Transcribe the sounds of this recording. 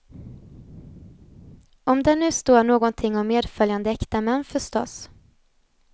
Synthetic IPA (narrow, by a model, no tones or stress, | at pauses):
ɔmd̪ɛnʉ̟ːst̪oːɳoːɡɔnt̪ʰɪŋːɔmːeːd̪fœljand̪əɛkt̪amɛnːfœʂtɔs